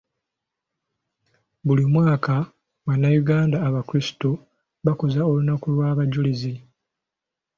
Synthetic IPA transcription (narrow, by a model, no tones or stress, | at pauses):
βulimwaːka | wanːajuɡaːndaːβakuɾisto | βakozao̞lunakulwaːβaɟulizi